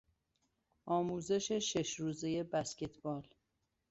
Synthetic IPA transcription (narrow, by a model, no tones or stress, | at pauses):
ʔɒːmuːze̞ʃe̞ʃeʃɾuːzeje̞bæsce̞t̪ʰbɒːl